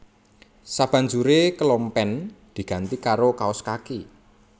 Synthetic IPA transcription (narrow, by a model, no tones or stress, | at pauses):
sab̥a̤ɲd͡ʒuɾekəlompɛnd̪̥i̤ɡ̥a̤nt̪ikaɾokaɔskaki